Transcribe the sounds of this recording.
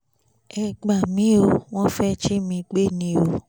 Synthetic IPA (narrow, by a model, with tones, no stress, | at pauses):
ɛ˧ɡ͡ba˨mĩ˨˦o˧w̃ɔ̃˦fɛ˦t͡ʃi˦mĩ˧ɡ͡be˦˨nĩ˨˧˦o˧